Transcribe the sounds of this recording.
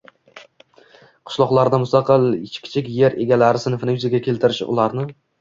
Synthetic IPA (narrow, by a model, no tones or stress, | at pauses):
qʰɨ̥ʃlˠɒqlˠaɾd̪amʊst̪ɑqʰɨlˠt͡ʃkʲʰɪ̥t͡ʃʰɪkʲje̞ɾe̞ɡʲalaɾɪsɪnfɪnɪjʊzaɡʲakʲʰe̞lt̪ʰɪɾɪʃʊ̰laɾnɪ